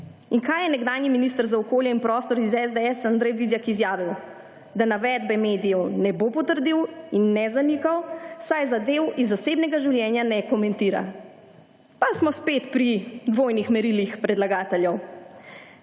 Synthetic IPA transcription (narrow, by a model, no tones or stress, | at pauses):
iŋkajɛnɛɡd̪aːjniminist̪əɾzaɔkoːljɛinpɾɔːst̪ɔɾizɛzd̪ɛɛsand̪ɾɛjʋizjakizjaːʋiw | d̪anaʋɛd̪bɛmed̪ijɛwnɛbopɔt̪əɾd̪iwinːɛzanikawsajzad̪ewizːaseːbnɛɡaʒiwljɛːnjanɛkɔmɛnt̪iːɾa̰ | pasmɔspet̪pɾid̪ʋoːjnixmɛɾilixpɾɛd̪laɡaːt̪ɛljɛw